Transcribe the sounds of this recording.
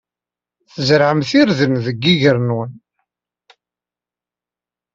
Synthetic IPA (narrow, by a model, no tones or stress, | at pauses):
θəzɾʕəmθiɾðənðəɡːiʝəɾnwən